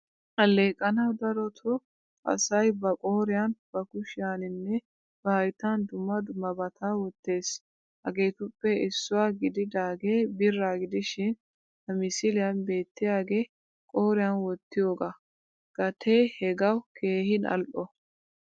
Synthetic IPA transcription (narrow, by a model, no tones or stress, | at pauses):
hɐlːe̞ːkʼːɐnɐwd̪ɐɾɔt̪ʰɔ | ʔɐ̰sɐjbɐkʼoːɾɪjanb̥ɐkʊʃɪjaːnɪnːɛ | b̥ɐhɐjt̪and̪ʊmːɐd̪ʊmɐbɐt̪ʰaːwɔt̪ːe̞ːs | hɐɡe̞ːt̪ʊpːɛɪsːʊwaːɡɪd̪ɪd̪aːɡe̞ːbɪrːaːɡɪd̪ɪʃɪn | hɐmɪsɪlɪjɐnbe̞ːt̪ːɪjaːɡe̞ː | kʼoːɾɪjanwɔt̪ːɪjoːɡa | ɡ̥ɐt̪ʰeːhɛɡɐwkʰe̞ːhɪnɐ̰lʔɔ